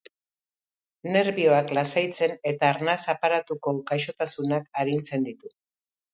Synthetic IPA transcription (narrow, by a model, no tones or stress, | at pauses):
ne̞ɾβio̞aklasajt͡se̞ne̞t̪aːɾnasapaɾat̪uko̞ɡajʃo̞t̪asunakaɾint͡se̞nd̪it̪u